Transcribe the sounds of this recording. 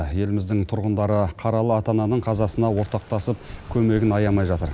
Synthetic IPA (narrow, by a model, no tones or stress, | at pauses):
je̞lɪmɪzd̪ɪŋt̪ʰʊɾʁənd̪ɑɾəqʰɑɾɑlˠəɑt̪ɑnɑnəɴqʰɑzɑsənɑwo̞ɾt̪ɑq̚t̪ɑsəp̚kʲʰɵme̞ɡʲɪnɑjɑmɑjʒɑt̪əɾ